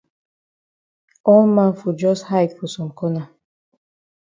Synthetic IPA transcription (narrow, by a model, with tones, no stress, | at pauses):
ɔ˦lmã˦˨fɔ˨d͡ʒɔ˦sha˦jtfɔ˨sɔ˨m̩kɔ˦na˨